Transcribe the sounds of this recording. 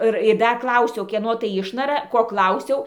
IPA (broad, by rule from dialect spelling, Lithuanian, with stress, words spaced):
ˈɨr ɪr ˈdɐr ˈklˠɐʊsʲɛʊ ˈkʲiɛnoː tɐɪ ˈɪʃnɐrɐ ˈkoː ˈklˠɐʊsʲɛʊ